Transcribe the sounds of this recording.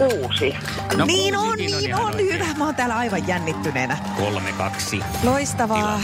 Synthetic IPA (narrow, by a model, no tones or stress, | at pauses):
kuːsi | nniːnonniːnonhyʋæmɑont̪æːlɑiʋɑjjænːit̪ːyneːnæ | kolmḛkɑksi | loist̪ɑʋɑː